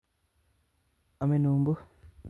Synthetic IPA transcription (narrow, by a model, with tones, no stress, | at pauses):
a˨me˨nuː˨mbu˦